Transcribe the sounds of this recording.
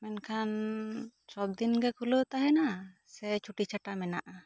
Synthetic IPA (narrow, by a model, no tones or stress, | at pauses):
mɛnkʰan | sɔb̚d̪inɡɛkulot̪aɦɛna | sɛt͡ʃʰuʈit͡ʃʰaʈamɛna̰ʔa